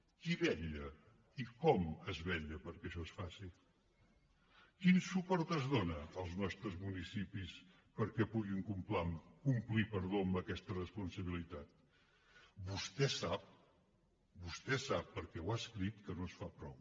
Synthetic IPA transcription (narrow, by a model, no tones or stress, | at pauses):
kiβɛʎə | ikɔməzβɛʎəpəɾkɛʃɔesfasi | kinsupɔɾt̪əzðonəːlˠznɔst̪ɾəzmunisipis | pəɾkɛpuɣiŋkumplamkumplipəɾðoəmbəkɛst̪ərəspunsəβilit̪at̪̚ | bust̪ɛsap̚ | bust̪ɛsapːəɾkɛwaskɾit̪kənoəsfapɾɔ̰w